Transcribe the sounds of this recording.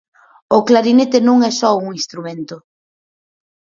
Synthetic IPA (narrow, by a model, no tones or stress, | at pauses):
ʊklaɾinet̪enõŋɛsɔuŋĩst̪ɾumẽnt̪ʊ